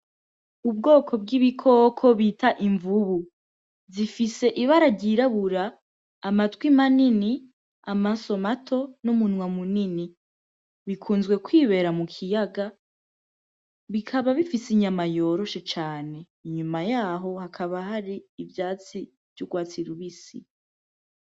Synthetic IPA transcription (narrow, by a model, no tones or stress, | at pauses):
ubɡo̞ːkʰo̞b̚ɡiβikʰo̞ːkʰo̞βitʰaʔiɱvuβu | zifise̞ʔiβaɾaɟiɾaβuɾaː | matɡwimanini | amaso̞matʰo̞numunwamunini | βikʰuːnzɡwe̞kwiːβe̞ːɾamukʰijaɡa | βikʰaβaβifisiɲamajo̞ːɾo̞ʃe̞t͡ʃaːne̞ | iɲumajaːɦo̞hakʰaβahaɾiːvjaːt͡si | v̥juɡwaːt͡siɾuβisḭ